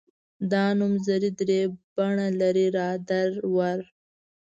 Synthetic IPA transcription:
d̪ɑːnumzaɾid̪ɾebaɳalaɾiɾɑd̪aɾwaɾ

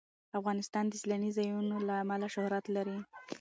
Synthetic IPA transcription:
afɣɑnɪst̪ɑnd̪əslanizɑjunolaamalaʃʊhɾat̪laɾi

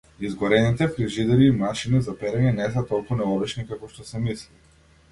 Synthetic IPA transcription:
izɡɔɾɛnit̪ɛfɾiʒid̪ɛɾiːmaʃinizapɛɾɛɲɛnɛs̬ət̪ɔlˠkunɛɔbɛt͡ʃnikakɔʃt̪ɔsɛmisli

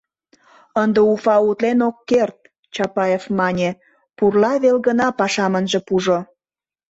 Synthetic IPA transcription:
ənd̪eufɑut̪lenokːert̪̚ | t͡ɕɑpɑefmɑnʲe | purlɑβelɣənɑpɑʃɑmənʒĕpuʒo

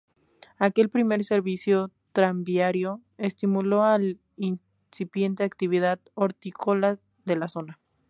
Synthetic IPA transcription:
ake̞lpɾime̞ɾse̞ɾβisjo | t̪ɾambjaɾjo̞est̪imulo̞al | in | sipje̞nt̪eakt̪iβiðaðoɾt̪ikʰola | ðe̞laso̞na

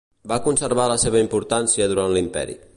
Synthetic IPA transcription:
bakunsəɾβaləseβ̞əimpuɾt̪ansiəðuɾanlimpɛ̰ɾḭ

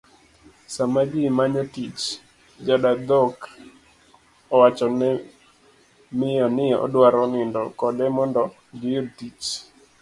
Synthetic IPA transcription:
samad͡ʒimaɲɔtit͡ʃ | d͡ʒadad̪ɔk | ɔwat͡ʃɔnɛ | mɪjɔnɪɔ̰dwaɾɔnɪndɔkɔdɛmɔndɔ | ɡɪuɾtit͡ʃ

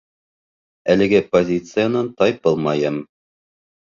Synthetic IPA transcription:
ælɘ̆ɡɘpozʲit̪sɨjanɑnt̪ɑjpɤlˠmɑjɤm

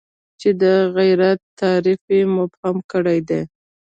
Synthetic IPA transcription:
t͡ʃed̪əɣajɾat̪ːɑɾifemʊbhamkəɽajd̪e

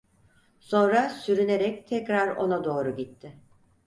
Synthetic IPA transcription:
so̞nɾasyɾyne̞ɾɛc̚t̪ʰɛcɾaɾo̞̰nad̪o̞ːɾuɟit̪ʰːɪ

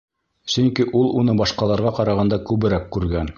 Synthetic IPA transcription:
sɵŋkiʔulˠunɤbɑʃqɑlˠɑɾʁɑqɑɾɑʁɑnd̪ɑkʉβɘ̆ɾækːʉɾɡæn

